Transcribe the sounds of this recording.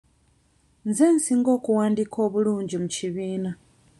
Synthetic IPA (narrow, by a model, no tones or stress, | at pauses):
nzensiːŋɡo̞ːkuwaːndikʰo̞ːβuluːɲɟimuciβiːna